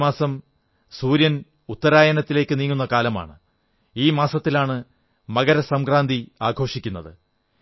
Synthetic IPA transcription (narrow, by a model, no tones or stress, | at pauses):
maːsɐm | suːɾjɐn | ut̪ːɐɾaːjɐnɐt̪ːile̞ːkːɨniːŋːunːɐkaːlɐma̰ːɳɨ | iːmaːsɐt̪ːilaːɳɨ | mɐɡɐɾɐsɐmkraːnd̪iaːɡʱo̞ːʂikʲːunːɐðɨ